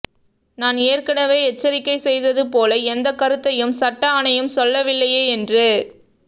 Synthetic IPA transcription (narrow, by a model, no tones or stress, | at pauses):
naːneːrkɐɳɐʋeːɛt͡ʃːɐɾɪkːɐɪsɛjðɐðɯpoːlɐɛnd̪ɐkːɐɾɯt̪ːɐjɯmsɐʈːaːɳɐjɯmsɔlːɐʋɪlːɐjeːɛndrɯ